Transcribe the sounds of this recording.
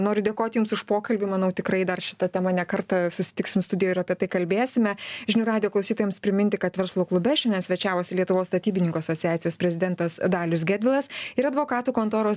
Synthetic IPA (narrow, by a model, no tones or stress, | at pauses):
noːɾʲʊd̪ʲeːkoːt̪ʲjʊmsʊʃpoːkɐlʲbʲɪmɐnɐʊt̪ʲɪkɾɐɪd̪ɐrʃʲɪ̥t̪ɐt̪ʲɛmɐnʲɛkɐɾt̪ɐsʊsʲɪ̥t̪ʲɪksʲɪmst̪ʊd̪ʲɪjoːɪɾɐpʲiɛt̪ɐɪkɐlʲbʲeːsʲɪmʲɛʒʲɪnʊɾɑːd̪ʲɪjoːklˠɐʊsʲiːt̪oːjɛmspʲɾʲɪmʲɪnʲt̪ʲɪkɐt̪ʋʲɛɾslˠoːklˠʊbʲɛʃʲɛnʲdʲɛnsʲʋʲɛt͡ʃʲæːʋoːsʲɪlʲiɛt̪ʊʋoːsst̪ɐt̪ʲiːbʲɪnʲɪŋkoːɐsoːt͡ssʲɪjɑːt͡ssʲɪjoːsʲpʲɾʲɛzʲɪd̪ʲɛnt̪ɐsd̪ɑːlʲʊsɡʲæːdʲʋʲɪlˠɐsɪɾɐd̪ʋoːkɑːt̪uːkoːnt̪oːɾoːs